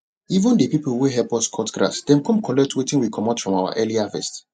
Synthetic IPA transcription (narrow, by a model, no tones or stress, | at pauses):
ivə̃ndepipuweɦɛpɔskʰɔtɡɹa̰sdɛ̃mkɔ̃mkʰɔlɛk̚twetĩnwikʰɔmɔ̃tfɹɔ̃mawa̰ʔɛliafɛ̰st